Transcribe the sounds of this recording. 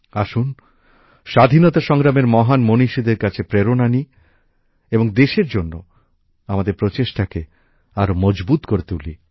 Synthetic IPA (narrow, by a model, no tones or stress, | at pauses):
aʃun | ʃad̪ʱinɔt̪aʃɔŋɾameɾmɔɦanmoniʃid̪eɾkat͡ɕʰepɾeɾonani | eboŋd̪eʃeɾd͡ʑonːo | amad̪eɾpɾot͡ɕeʃʈake | aɾomɔd͡ʑbut̪koɾet̪uli